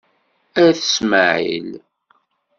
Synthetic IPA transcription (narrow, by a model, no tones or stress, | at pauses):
æɾθəsməʕḭl